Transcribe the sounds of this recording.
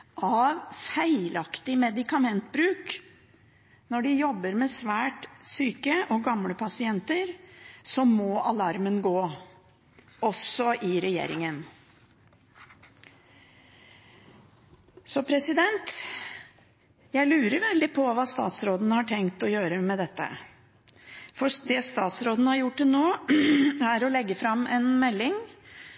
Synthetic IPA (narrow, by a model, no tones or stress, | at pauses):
ʔɑʋfæɪlɑkt̪ɪmɛd̪ɪkɑmɛnt̪bɾʉːk | nɔɖɪjɔbːəɾmɛsʋæːʈsyːkəʔɔɡɑmɽəpʰɑsɪɛnt̪əɾsɔmːɔːʔɑlɑɾmənɡoː | ɔsɔʔɪɾɛjḛːɾɪ̰ŋən | sɔpʰɾɛsɪd̪ɛnt̪ | jæɪlʉːɾəɾʋɛld̪ɪpʰɔʋɑːst̪ɑ̰ːt̪sɾoːd̪ənəhɑʈʰɛŋkt̪ɔjøːɾəmɛd̪ɛt̪ːə̰ | fɔd̪ɛst̪ɑːt̪sɾoːd̪nəhɑɾjʊʈːɪnoː | æɾɔlɛɡːəfɾɑmːʔɛnmɛlːɪŋ